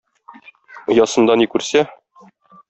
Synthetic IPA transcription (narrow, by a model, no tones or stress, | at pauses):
jɒsɤ̆nd̪ɑnikʉɾsæ